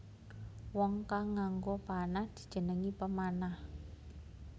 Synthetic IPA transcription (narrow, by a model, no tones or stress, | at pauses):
wɔŋkaŋːaŋɡopanahd̪̥i̥̤d̥ʒ̥ə̤nəŋipəmanah